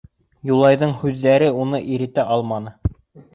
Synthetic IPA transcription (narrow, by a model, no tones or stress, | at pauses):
julˠɑjðɤɴhʉðːæɾɘunɤʔiɾɘ̆t̪æʔɑlˠmɑnɤ